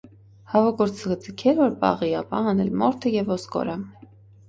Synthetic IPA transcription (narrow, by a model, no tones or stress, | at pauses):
hɑvɔkɔɾt͡səʁət͡səkʰɛɾvɔɾbɑ̰ʁiɑpɑɦɑnɛlmɔɾt̪ʰəjɛvɔskɔ̰ɾə